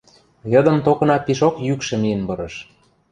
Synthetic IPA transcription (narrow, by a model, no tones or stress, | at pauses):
jɤ̆d̪ɤ̆mt̪okɤ̆nɑpiʃokjykʃĕmijə̆nbɤ̆ɾɤ̆ʃ